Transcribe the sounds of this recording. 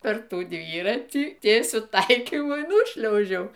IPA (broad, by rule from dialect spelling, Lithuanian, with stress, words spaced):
pʲɛr ˈtuː ˈdʲʋʲiːrɐtʲiː ˈtʲiɛsʲʊ ˈtɐɪkʲiːmʊ iː ˈnuːʃʲlʲɛʊʒʲɛʊ